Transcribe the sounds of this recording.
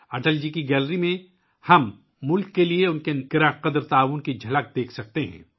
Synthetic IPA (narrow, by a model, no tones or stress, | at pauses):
ɐʈəld͡ʒikiɡɛːlɾimẽ | hɐmː | ʊlkːelieʊnkenkɪɾaqɐd̪ɾt̪aːʋʊnkid͡ʒʱɐlək̚d̪eːkʰsɐk̚t̪eɦɛ̰̃ː